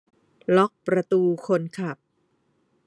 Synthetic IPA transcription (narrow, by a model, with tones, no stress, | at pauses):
lɔ˦˥k̚pɾa˧t̪uː˧kʰo˧nkʰa˨˩p̚